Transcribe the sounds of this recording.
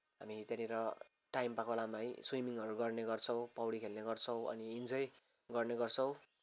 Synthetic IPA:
ɦamit̪janiɾʌ | ʈajmpakolamaj̃swimiŋʌɾuɡʌrneɡʌrt͡sʰʌw̃pʌwɽikʰelneɡʌrt͡sʰʌw̃ʌ̰niːnd͡zʌj | ɡʌrneɡʌrt͡sʰʌw̃

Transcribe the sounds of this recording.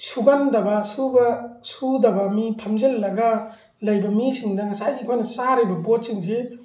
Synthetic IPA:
suɡandɐbɐsubɐsudɐbɐmipʰamzelːɐɡa | lɐjbɐmisiŋdɐŋɐsajikʰojnɐsaɾibɐbot̚siŋs̬e

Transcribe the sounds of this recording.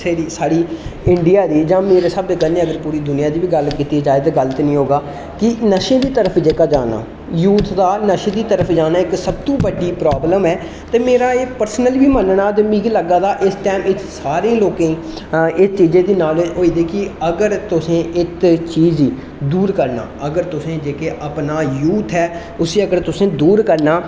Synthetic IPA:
eiːsaːɽiːɪɳɖɪjaːd̪iːd͡ʒãːmeːɾeːsəb̚d̪eːkənẽːəɡəɾpuːɾiːd̪ʊnɪjaːd̪iːbiːɡəlkiːt̪ieːd͡ʒaːɪd̪ɡəlt̪ːnĩːɦoːɡaː | kɪnəʃẽːd̪iːt̪əɾəpʰd͡ʒeːkaːd͡ʒaːna̰ː | juːt̪d̪aːnəʃẽːd̪iːt̪əɾəpʰd͡ʒaːnaːɪksəb̚t̪ũːbəɖːiːpɾaːbləmɛː | t̪eːmeːɾaːeːpəɾsnəlʋiːmənɳaːt̪emĩːkiləɡaːd̪aːʔɪsʈɛːmɪt̪saːɾeẽːloːkẽːiː | ɪst͡ʃiːzeːd̪iːnaːlɦoːiːd̪eːkiəɡəɾt̪ʊsẽːɪt̪t͡ʃiːziː | d̪uːɾkəɾna̰ːəɡəɾt̪ʊsẽːd͡ʒeːkeːʔəpnaːjuːt̪ʰɦɛː | ʊseːəɡəɾt̪ʊsẽːd̪uːɾkəɾnaː

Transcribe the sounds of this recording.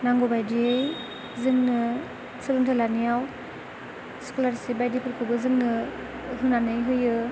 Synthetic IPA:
naŋɡobajdiej | zɯŋnɯ | sɯɾɯntʰalanijaw | skolaɾsibajdipʰɯɾkʰɯbɯzɯŋnɯ | ɦɯnanɯjɦɯjɯ

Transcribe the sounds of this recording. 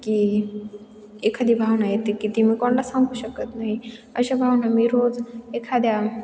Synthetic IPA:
ki | ekʰad̪ibʱawnajet̪ikit̪imikoɳlasãŋɡuːɕəkət̪naɦiəɕabʱaʋnamiɾod͡zekʰad̪ja

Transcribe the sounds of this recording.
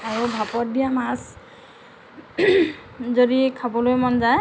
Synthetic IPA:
aɹubʱapɔt̚bijamas | zodikʰabɔlojmɔnzaj

